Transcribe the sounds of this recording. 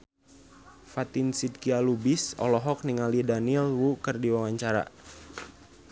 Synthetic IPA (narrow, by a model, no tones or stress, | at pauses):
fat̪insid̪̚kialubisɔ̰lɔɦɔk̚niŋalidanilwukərdiwawaɲt͡ʃaɾa̰